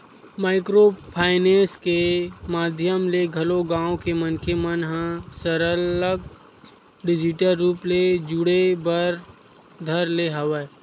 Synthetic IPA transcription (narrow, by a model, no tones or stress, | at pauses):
maːɪkɾopʰaːɪneːskemaːd̪ʱjəmleɡʱɐloɡãːõkemənkemənɦãsəɾələɡ̚ | ɖɪd͡ʒɪʈəɾːuːpled͡ʒʊɽebəɾ | d̪ʱəɾleɦɐʋe